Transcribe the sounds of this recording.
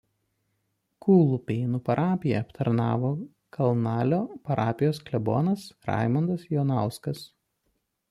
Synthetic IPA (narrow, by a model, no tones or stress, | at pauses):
kuːlˠupʲɛɪnuːpɐɾʔɑːpʲɪjɛɐpt̪ʰɐɾnɑːʋoː | kʰɐlˠnɑːlʲoːpɐɾʔɑːpʲɪjoːsklʲɛbo̰ːnɐsɾɑ̰ˑɪmɐnd̪ɐsjoːnɑˑʊskɐs